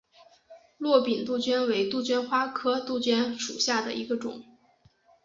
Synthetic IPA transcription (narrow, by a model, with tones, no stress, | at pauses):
lwɔ˥˩pi˨˩nt̪u˥˩t͡ɕɥɛ˥nwe˧˥ɪt̪u˥˩t͡ɕɥɛ˥nxwa˥kʰɤ˥t̪u˥˩t͡ɕɥɛ˥nʂṵ˨˩ɕja˥˩d̪ə̰˩ʔi˧˥ɡə˧ʈ͡ʂʊ̰˨˩˦ŋ